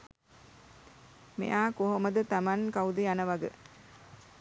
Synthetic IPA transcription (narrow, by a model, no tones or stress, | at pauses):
mḛʔaːkoɦoməd̪ət̪amankawd̪ejanəʋɐɡə̰